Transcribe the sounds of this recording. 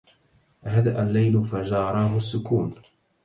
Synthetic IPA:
ɦad̪aʔalːajlʊfad͡ʒɑːɾˤɑːɦʊsːʊkuːn

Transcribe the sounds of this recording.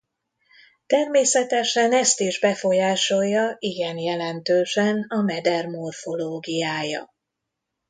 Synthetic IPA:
t̪ɛrmeːsɛt̪ɛʃɛnɛst̪iʒbɛfo̞jaːʃo̞jːɒiɡɛnjɛlɛnt̪øːʃɛnɒmɛd̪ɛrmo̞rfo̞loːɡijaːjɒ̰

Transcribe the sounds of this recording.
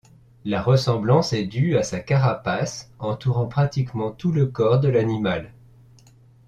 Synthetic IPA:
laʁəsɑ̃blɑ̃sɛd̪yasakaʁapasɑ̃t̪uʁɑ̃pχat̪ikmɑ̃t̪uləkɔʁd̪əlanimal

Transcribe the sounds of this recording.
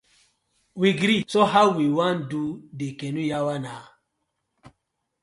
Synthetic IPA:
wiɡɾisoɦaʊwiwãndudekɛ̃nujawana

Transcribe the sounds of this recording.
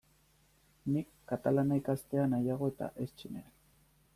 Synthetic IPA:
nikːat̪alanajkast̪eanajaɣo̞e̞t̪a̰ʔest͡ʃinḛan

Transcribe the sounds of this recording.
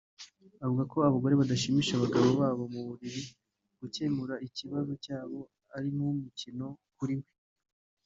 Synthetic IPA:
avuɡako̞aβaɡo̞ɾeβadaʃimiːʃaβaɡaβo̞βaːβo̞muβuβiɾi | ɡ̥uce̞muɾaiciβazo̞caːβo̞ | aɾimumicino̞kuɾimwe̞

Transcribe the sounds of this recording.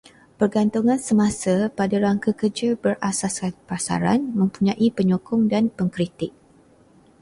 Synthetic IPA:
pərɡant̪uŋãnsəmãsapadaɾaŋkəkərd͡ʒəbərʔasasanpasa̰ɾa̰nmə̃mpuɲãʔipəɲokʊŋdanpəŋkɾit̪ɪk̚

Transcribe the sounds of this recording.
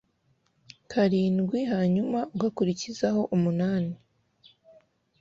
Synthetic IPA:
kʰaɾiːnɡwiɦaːɲumauɡakuɾicizaho̞ʔumunaːni

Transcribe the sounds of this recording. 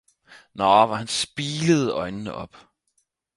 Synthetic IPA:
nɑːʋɑ̈hænsb̥iːləð̞̩ˠɒ̽ɪnnəʔɒ̽b̥

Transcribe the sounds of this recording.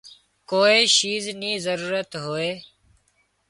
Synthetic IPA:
koːiːʃiːznĩːzəɾuːɾət̪ɦoːeː

